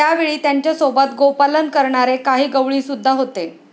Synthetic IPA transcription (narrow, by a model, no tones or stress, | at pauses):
jaʋeɭiːt̪jaɲt͡ɕjasobat̪ɡopalənkəɾɳaɾekaɦiːɡəʋɭiːsud̪ʱːaɦot̪e